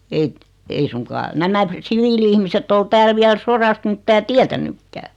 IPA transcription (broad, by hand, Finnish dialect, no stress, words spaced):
ei ei suŋkɑː næmæ siʋiːliihmisetː ol tæːl ʋiæl sorɑst mĭtːæː tiætænukːæː